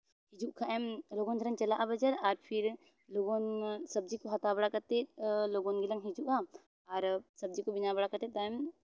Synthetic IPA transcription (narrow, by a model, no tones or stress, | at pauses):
hid͡ʒuʔkʰaʔɛmloːɡõnɡ̪ʱeɾəŋt͡ʃɐlaʔabɐd͡ʒəɾaɾpʰiɾ | loːɡonsɐbd͡ʒikoɦɐt̪abɐɽakɐɾt̪etloɡõnɡelɐŋɦid͡ʒuʔa | aɾsɐb̚d͡ʒikobinabɐɽakɐɾt̪et̪aːm